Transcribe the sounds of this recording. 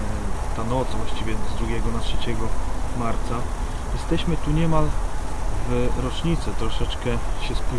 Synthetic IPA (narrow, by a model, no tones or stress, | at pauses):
t̪anɔt̪svwaɕt͡ɕivʲjɛzd̪ɾuɡʲjɛɡɔnatʂɛt͡ɕɛɡɔmaɾt̪sa | jɛst̪ɛɕmɘt̪uɲɛmal | vɾɔt͡ʂɲit̪sɛt̪ɾɔʂɛt͡ʂkɛɕɛspu